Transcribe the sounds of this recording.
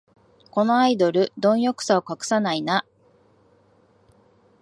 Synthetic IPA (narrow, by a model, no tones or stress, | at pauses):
ko̞no̞aid̪o̞ɾɯ̟d̪õ̞ɰ̃jo̞kɯ̥saokakɯ̟̥sanaina